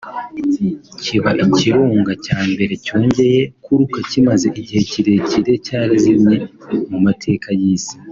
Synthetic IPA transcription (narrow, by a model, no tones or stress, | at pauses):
ciβaʔiciɾuːŋɡacaːmbe̞ɾe̞co̞ːɲɟe̞je̞kuɾukacimaze̞ʔiɟihe̞ciɾe̞ciɾe̞caːɾazimɲemumatʰe̞ːkajiːsi̥